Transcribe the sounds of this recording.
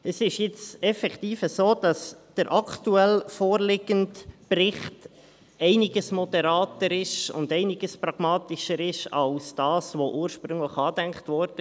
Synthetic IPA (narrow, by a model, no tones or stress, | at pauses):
əsɪʃjɪt͡sɛfɛktiːfəsoːd̥ɑsd̥əɾʔɑkʰtuɛlfoːɾlɪɡəntprɪχt | ɛɪnɪɡəsmɔd̥əɾɑːtəɾɪʃʊ̰ndɛɪnɪɡ̥əspɾɑɡ̥mɑːtɪʃəɾɪʃɑlsd̥ɑːsʋoʔuːɾʃpɾʏŋləχɑːdæŋkχtʋɔɾd̥ə